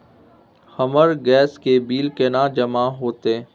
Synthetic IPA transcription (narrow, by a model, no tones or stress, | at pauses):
xəməɾɡɛːskebiːlkeːnaːd͡ʒəmaɦoːt̪eː